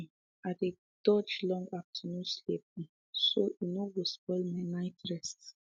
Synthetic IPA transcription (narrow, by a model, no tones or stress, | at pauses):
ade | d̥ɔd͡ʒlɔ̃ŋɡaftʰənũslip̚ĩ | soʔinowɔspɔlmaɪnaɪtɹɛst